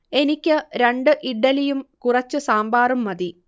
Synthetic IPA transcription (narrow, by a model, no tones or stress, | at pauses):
e̞nikʲːɨɾeɳɖɨʔiɖːɐlijumkurɐt͡ɕːɨsaːmbaːrumːɐði